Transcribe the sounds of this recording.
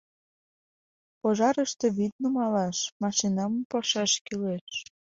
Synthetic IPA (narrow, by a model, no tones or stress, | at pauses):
poʒɑɾəʃt̪eβid̪̚nomɑlɑʃmɑʃinɑmɤmpɑʃɑʃkileʃ